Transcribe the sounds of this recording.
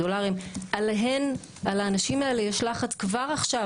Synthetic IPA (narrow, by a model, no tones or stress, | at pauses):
olaʁimʔaleɦen | alaːnaʃimaelejaʃlaχat̪kvaʁaχʃa